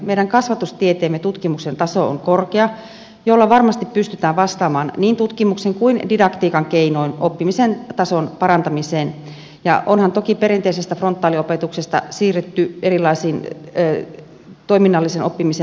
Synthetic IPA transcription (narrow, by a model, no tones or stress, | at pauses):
meiɾæŋkɑsʋɑt̪ust̪iet̪eːmːet̪ut̪kimuksent̪ɑsoo̰ŋkorkeɑ | jolːɑʋɑrmɑst̪ippyst̪yt̪æːʋʋɑst̪ɑːmɑːnniːnt̪ut̪kimukseŋkuindidɑkt̪iːkɑŋkeinoinopːimisent̪ɑsonpɑrɑnt̪ɑmiseːn | jɑ̰ʔonhɑnt̪okipeɾint̪eisest̪æfront̪ːɑːliopet̪uksest̪ɑ̰siːret̪ːyerilːˑɑisiːnː | t̪oiminːɑlːisenopːimise